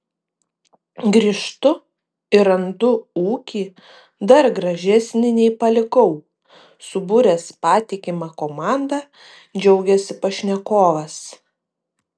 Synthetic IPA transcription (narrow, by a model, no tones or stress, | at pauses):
ɡɾʲɪʃt̪ʊ | ɪɾɐnd̪ʊuːkʲiː | d̪ɐɾɡɾɐʒʲɛsʲnʲɪnʲɛɪpɐlʲɪɡɔʊ | sʊbʊɾʲɛspɑːt̪ʲɪkʲɪmɑkoːmɑːˑnd̪ɑ | d͡ʒʲɛʊɡʲɛsʲɪpɐʃʲnʲɛkoːʋɐs